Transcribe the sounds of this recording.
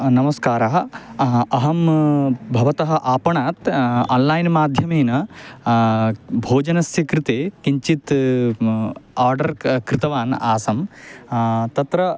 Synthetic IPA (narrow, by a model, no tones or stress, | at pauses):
nɐmɐskaːɾaɦɐ | ɐɦɐmbʱɐʋɐt̪ɐɦɐ̆ʔaːpɐɳaːt̪a̰ːnlaːjnmaːd̪ʱjɐmeːnɐ | bʱoːd͡ʒɐnɐsjɐkɾɪt̪eːkiɲt͡ʃit̪ | aːɾɖɐɾkɾɪt̪ɐʋaːna̰ːsɐm | t̪ɐt̪ɾɐ